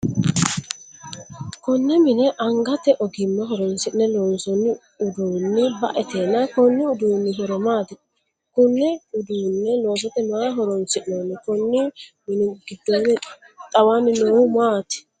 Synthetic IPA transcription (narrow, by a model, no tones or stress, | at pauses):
kʊnːɛmɪnɛʔɐŋɡɐt̪ɛʔɔɡɪmːɛɦɔɾɔnsɪʔnɛloːnsɔnːɪ | ʊd̪uːnːɪbɐ̰ʔɛt̪eːnːɐkɔnːɪʊd̪uːnːɪɦɔɾɔmaːt̪ɪ | kʊnːɛʊd̪uːnːɛloːs̬ɔt̪ːɛmaːɦɔɾɔnsɪʔnoːnːɪkɔnːɪmɪnɪɡɪd̪ːɔnːɛ | t̪ʼɐwanɪnoːwʊmaːt̪ɪ̥